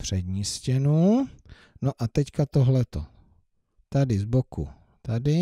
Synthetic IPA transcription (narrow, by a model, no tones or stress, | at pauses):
pr̝̥ɛd̪ɲiscɛnu | noʔat̪ɛckat̪oɦlɛt̪o̰ | t̪adɪzbokṵ | t̪adɪ